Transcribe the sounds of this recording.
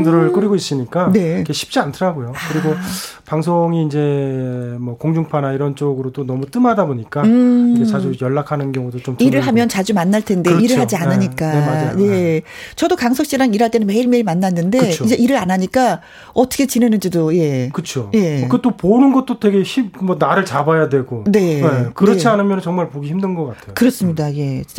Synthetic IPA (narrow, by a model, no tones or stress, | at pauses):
ŋdɯɾɯɭk͈ɯɾiɡois͈ɯɲik͈ane̞kɡeɕʰi̥p̚t͡ɕ͈iantʰɯɾaɡojokɯɾiɡopaŋsʰoŋiːnd͡ʑe̞ | mwʌkoŋd͡ʑuŋpʰanaiɾʌnt͡ɕ͈oɡɯɾot͈onʌmut͈ɯmadaboɲik͈aɯiet͡ɕad͡ʑujʌɭːakʰanɯnɡjʌŋudot͡ɕomt͡ɕiɾɯɭɦamjʌnt͡ɕad͡ʑumanːaɭtʰe̞nde̞iɾɯɭɦad͡ʑiannɯɲik͈aemad͡ʑaje̞ | t͡ɕʌdokaŋs̬ʰʌk̚ɕ͈iɾaŋiɾɦaɭt͈e̞nɯnme̞iɭme̞iɭmanːanːɯndeɯ̞oid͡ʑe̞ʔiɾɯɾanaɲik͈a | ʌtʰʌ̥kʰe̞t͡ɕinɦe̞nɯnd͡ʑidoje̞kɯt͡ɕʰo̰je̞ket͈oponɯnɡʌt̚t͈ote̞ɡe̞çipmwʌnaɾɯɭt͡ɕabajadwe̞ɡone̞ekɯʌt͡ɕʰianɯmjʌnnt͡ɕʌŋmaɭpoɡiçimndɯnɡʌk͈atʰeokɯɾʌs͈ɯmɲidaje̞